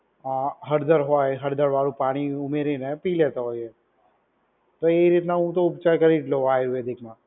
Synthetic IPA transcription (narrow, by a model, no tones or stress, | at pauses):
aɦəɾd̪əɾɦoɦəɾd̪əɾʋaːlũpaːɽ̃iʊmeːɾinɛ̃piːleːt̪aɦoːɛ | t̪oeiɾiːt̪naũt̪̬oʊpt͡ʃakəɾiʈloaːjɾued̪ɪkʰmã